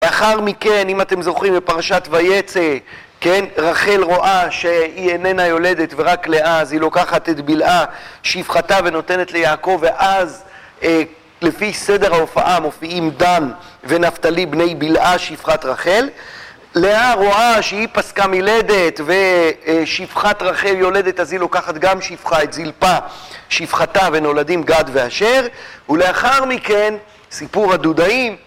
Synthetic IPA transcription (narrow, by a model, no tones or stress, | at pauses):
veaχaʁmike̞nimat̪e̞mzo̞χimbepaʁaʃat̪vaje̞t͡se | kenʁaχe̞lʁo̞ʔaʃeienenajo̞le̞d̪e̞t̪ve̞ʁakleʔazilo̞kaχat̪et̪bilʔaʃifχataveno̞t̪e̞ne̞t̪le̞jaːko̞veʔaz | e | le̞fise̞de̞ʁhaofa̰ʔamo̞fiimd̪an | ve̞naft̪alibne̞jbilʔaʃifχat̪ʁaχe̞l | leaʁoaʃeipaskamile̞d̪e̞t̪ve̞ʃifχat̪ʁaχe̞ljo̞le̞d̪e̞t̪azilo̞kaχat̪ɡamʃifχaet̪zilpaʃifχat̪ave̞no̞ladimɡad̪ve̞aʃe̞ʁule̞aχaʁmike̞n | sipuʁhad̪ud̪aim